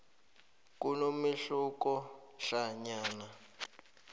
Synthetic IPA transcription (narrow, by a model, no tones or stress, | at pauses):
kunomiɬukɔɬaɲaːna